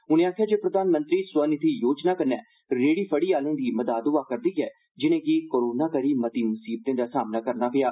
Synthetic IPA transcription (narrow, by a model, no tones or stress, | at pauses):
ʊñẽːaːkʰejaːd͡ʒeːpɾəd̪aːnmə̃nt̪ɾiːswənɪt̪ʰiːjoːd͡ʒnaːkəɾnɛː | ɾeːɽiːpʰəɽiːaːlẽːd̪iːməd̪aːd̪ʊʋaːkəɾd̪iːɦɛː | d͡ʒɪñẽːkikoːɾoːnaːkəɾiːmət̪iːmʊsiːb̚t̪ẽːd̪aːsaːmnaːkəɾnaːpɪjaː